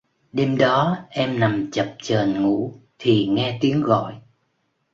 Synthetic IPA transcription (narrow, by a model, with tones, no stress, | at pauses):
ɗe˧mɗɔ˨˦ʔɛ˧mna˨˩mt͡ɕə˨˩p̚t͡ɕəː˨˩nŋṵ˧˥t̪ʰi˨˩ŋɛ˧t̪i˨˦əŋɣɔ̰˧˨j